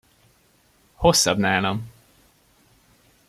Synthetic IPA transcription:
hosːɒbnaːlom

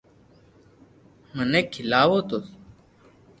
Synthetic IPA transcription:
mənẽːkʰɪlaːʋoːt̪os

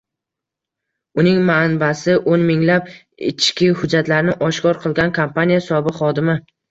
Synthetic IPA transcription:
ʊnɪŋmanbasɪʔonmɪŋlap̚ | ɪ̰t͡ʃkʲɪhʊd͡ʒːat̪laɾnɪʔɒʃkɒɾqʰɨlˠɡʲankʰompʰanijasɒbɨqχɒd̪ɪmɪ

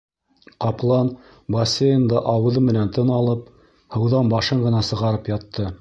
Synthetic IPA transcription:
qɑplˠɑn | bɐsʲejɤ̆nd̪ɑʔɑwɤ̆ðɤmɘ̆nænt̪ɤnɑlˠɤp̚ | hɤ̆wðɑnbɑʃɤɴɢɤ̆nɑsɤ̆ʁɑɾɤpjɑt̪ːɤ

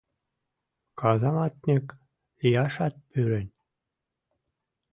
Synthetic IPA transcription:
kɑzɑmɑt̪nʲĕk | lʲijɑʃɑt̪̚pyɾɘ̆nʲ

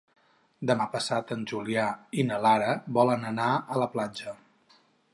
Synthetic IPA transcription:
d̪əmapəsat̪ənʲʒuliainəlaɾəβɔlənənaələplad͡ʒə

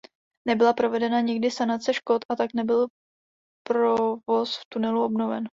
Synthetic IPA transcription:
nɛbɪlapɾo̞vɛdɛnaɲɪɡ̚dɪsanat̪t͡sɛʃkot̪ʔat̪aknɛbɪl | pɾovo̞sft̪unɛluo̞bno̞vɛ̰n

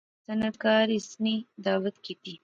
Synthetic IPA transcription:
sanat̪kɑɾisnid̪ɑːwat̪kit̪i

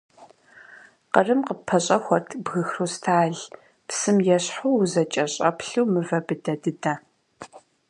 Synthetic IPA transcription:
qərɨmqəpʰːɐɕʼɐxʷɔrtʰbɣɨxruːstʰaːɮ | psɨmjɛɕħuwzɐt͡ʃʼɐɕʼɐ̰pɬuwmɨvɐbɨdɐdɨdɐ

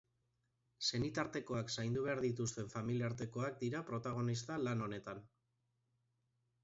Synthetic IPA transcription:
se̞nit̪aɾt̪e̞ko̞aksajnd̪uβe̞aɾðit̪ust̪e̞ɱfamiliaɾt̪e̞ko̞ak̚d̪iɾapɾo̞t̪aɣ̞o̞nist̪alano̞ne̞t̪an

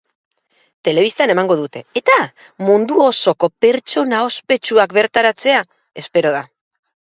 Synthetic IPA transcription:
t̪e̞le̞β̞ist̪ane̞maŋɡo̞ðut̪e̞ːt̪a | mund̪uo̞so̞ko̞pe̞ɾt͡ʃo̞nao̞spe̞t͡ʃuakbe̞ɾt̪aɾat͡se̞a | e̞spe̞ɾo̞ð̞a

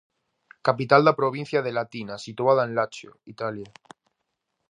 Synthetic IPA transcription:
kapit̪ald̪apɾoβ̞ĩn̟θjað̞elat̪inasit̪uað̞aenlat͡ʃo̰it̪alja

